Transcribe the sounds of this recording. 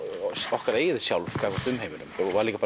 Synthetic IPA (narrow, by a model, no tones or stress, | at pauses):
ɔhkaɾeːjɪðɪsjawlvkʰaːkɔɾ̥t̪ʏmheːjmɪnʏ̰mɔvaɾliːkapa